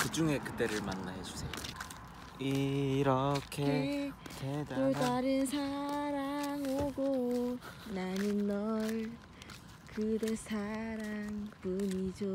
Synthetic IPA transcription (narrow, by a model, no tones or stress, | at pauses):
kɯd͡ʑuŋe̞kɯt͈e̞ɾɯɭmanːa̰ɦesʰu̥sʰejo | iɾʌkʰetedotaɾɯnsʰaɾaŋɦoɡo | nanɯnːʌɭ | kɯdesʰaɾaŋpunid͡ʑo